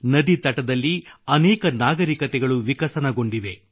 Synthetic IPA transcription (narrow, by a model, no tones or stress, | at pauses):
nɐd̪it̪ɐʈɐd̪ɐlːiɐnɛːkɐnaːɡɐɾikɐt̪ɛɡɐɭuʋikɐsɐnɐɡo̞ɳɖiʋe̞